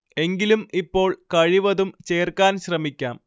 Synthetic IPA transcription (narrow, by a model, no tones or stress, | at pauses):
e̞ŋɡilumipːo̞ːɭkɐɻiʋɐðumt͡ɕeːrkaːnɕrɐmikʲːaːm